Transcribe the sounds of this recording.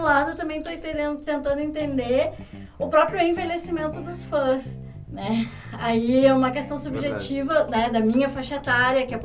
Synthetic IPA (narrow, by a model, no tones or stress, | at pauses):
lad̪ʊet̪ɐ̃mbẽj̃t̪ot̪ed̪ẽʊt̪ẽnt̪ɐ̃nd̪ʊẽt̪ẽnd̪eɾ | ʊpɾɔpɾjʊẽvelesimẽnt̪ʊd̪ʊsfɐ̃s | nɛ | aiɛũmɐkest̪ɐ̃w̃subʒet͡ʃivɐnɛd̪ɐmĩɲɐfaʃet̪aɾjɐkɪɛp